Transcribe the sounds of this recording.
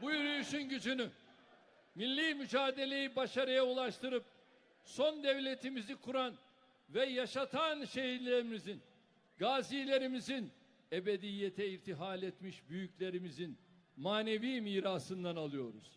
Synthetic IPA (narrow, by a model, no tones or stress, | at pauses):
bujyɾyjyʃynɟyd͡ʒyny | milʲːiːmyd͡ʒaːd̪e̞lʲe̞jibaʃaɾɯjaulˠaʃt̪ɯɾɯp̚ | so̞nd̪evlʲe̞t̪ʰimizikʰuɾan | vɛjaʃat̪ʰanʃe̞ɦiɾlʲeɾimizin | ɡaːziːlʲe̞ɾimizin | ebe̞d̪ijːet̪ʰɛiɾt̪ʰiɦaːlʲet̪miʃbyjyclʲe̞ɾimizin | maːne̞viːmiːɾaːsɯnd̪analˠɯjo̞̰ɾṵz̥